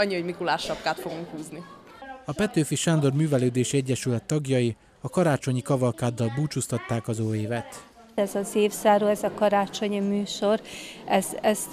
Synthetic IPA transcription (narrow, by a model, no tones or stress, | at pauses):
ɒɲːiho̞ɟmikulaːʃːɒp̚kaːt̪foɡuŋkhuːzniɒpɛt̪øːfiʃaːnd̪o̞rmyːvɛløːd̪eːʃiɛɟːɛʃylɛt̪ːɒɡjɒji | ɒkɒɾaːt͡ʃo̞ɲikɒvɒlkaːd̪ːɒlbuːt͡ʃust̪ɒt̪ːaːkɒzoːeːvɛt̪ | ɛzɒzeːfsaːɾoːɛzɒkɒɾaːt͡ʃo̞ɲimyːʃo̞rɛzɛz̥